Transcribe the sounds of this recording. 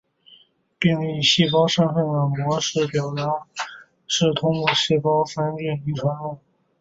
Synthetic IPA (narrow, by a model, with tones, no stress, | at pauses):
pi˥˧˩ŋi˥˩ɕi˥˩pɑ˥ʊʂɑ˥˧ŋxe˥˩d̪ə˨˩mwɔ˧˥ʂɻ̩˥˩pjɑ˨˩ʊt̪a˧˥ | ʂɻ̩˥˩t̪ʰʊ˥ŋkɔ˥˧ɕi˥˩pɑ˥ʊfa˥nɛ˥˩ni˧˥ʈ͡ʂʰɑ˧˥ŋlʊ˥˩ŋ